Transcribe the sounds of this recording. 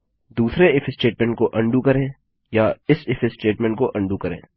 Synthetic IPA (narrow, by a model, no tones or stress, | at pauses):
d̪uːsɾeɪfʰɪsʈeːʈmɛ̃ɳʈ̚koʔɐ̃ɳɖukɐɾẽː | jaɪsɪfʰɪsʈeːʈmɛ̃ɳʈ̚koʔɐ̃ɳɖukɐɾḛ̃ː